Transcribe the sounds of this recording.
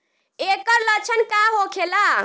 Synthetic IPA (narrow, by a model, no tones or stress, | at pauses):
ekəɾlət͡ʃʰənkaɦokʰela